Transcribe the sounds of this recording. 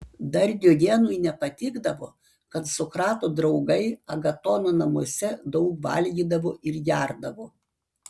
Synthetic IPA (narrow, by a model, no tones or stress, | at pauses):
d̪ɐɾʲd̪ʲoːjʲeːnujnʲɛpɐt̪ʲɪːɡd̪ɐʋo̰ː | kɐt̪sʊkɾɑːt̪oːd̪ɾɐʊɡɐɪɐɡɐt̪oːnoːnɐmoɔsʲɛd̪ɐʊkʋɐ̰lʲɡʲiːd̪ɐʋoːɪɾjʲæɾd̪ɐʋoː